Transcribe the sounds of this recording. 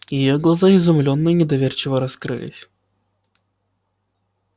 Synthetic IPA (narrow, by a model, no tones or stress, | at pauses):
jɪjoɡlˠɐzaɪzʊmlʲonːɨjnʲɪd̪ɐvʲert͡ɕɪvəɾɐskɾɨ̰lʲɪ̰sʲ